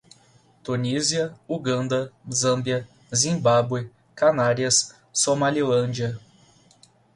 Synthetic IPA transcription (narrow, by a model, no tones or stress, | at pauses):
t̪uniziɐuɡɐ̃nd̪ɐzɐ̃mbiɐ | zĩbabwe | kanaɾiɐsː | omalilɐ̃d͡ʒiɐ